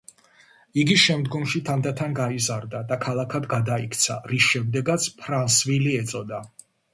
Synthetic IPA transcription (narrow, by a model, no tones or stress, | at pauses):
iɡiʃɛmd̪ɡɔmʃit̪ʰand̪at̪ʰanɡaizaɾd̪ad̪akʰalˠakʰad̪ɡad̪aikʰt̪sʰa̰ɾisʃɛmd̪ɛɡat̪sʰpʰɾansviliɛt̪sʼɔd̪a